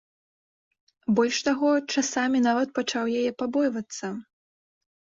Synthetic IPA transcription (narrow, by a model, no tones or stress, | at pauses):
bɔlʲʂt̪aɣɔt͡ʂasamʲinavɐt̪̚pɐt͡ʂawjajɛpabɔjvɐt̪sːɐ